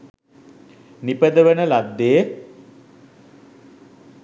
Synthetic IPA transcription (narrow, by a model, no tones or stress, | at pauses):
nipəd̪əʋənəlad̪ːeə